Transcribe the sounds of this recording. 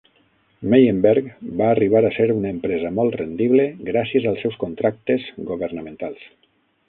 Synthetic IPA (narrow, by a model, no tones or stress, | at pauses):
mejəmbɛɾkbaːriβ̞aɾaseɾunəempɾɛzəmɔlˠt̪rend̪iβleɡɾasiəzalˠsɛwskunt̪ɾak̚t̪ezɡoβəɾnəmẽnt̪alˠs